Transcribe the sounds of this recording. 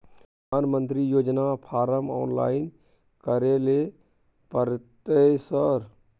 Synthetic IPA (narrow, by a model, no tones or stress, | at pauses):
aːnmənt̪ɾijoːd͡ʒnapʰaːɾəmɔ̰ːnla̰ːɪn | kəɾele | pəɾt̪esəɾ